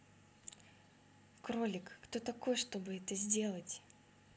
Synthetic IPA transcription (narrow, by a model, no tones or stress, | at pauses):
kɾolʲɪkːt̪o̞t̪ɐko̞jʂt̪o̞bɨɛt̪əzʲdʲe̞lˠətʲ